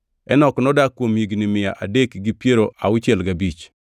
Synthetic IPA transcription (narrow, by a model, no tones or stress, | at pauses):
ɛnɔknɔdakːwomjiɡnɪmɪja̰ʔadekɡipjeɾoʔaʊt͡ʃɛlɡabit͡ʃ